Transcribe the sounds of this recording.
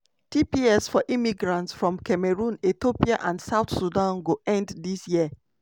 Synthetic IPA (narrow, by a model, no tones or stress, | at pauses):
tʰipiɛsfɔʔimiɡɹãntsfɹɔ̃mkʰɛmeɹũnetopiaʔãndsaʊtsudãnɡoɛ̃nddisjiə